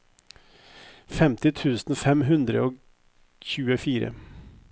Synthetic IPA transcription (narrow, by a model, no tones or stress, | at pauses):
fɛmt̪ɪt̪ʰʉːsnɔfɛmɦɵnd̪ɾə̰ɔ | çʉːəfiːɾə̰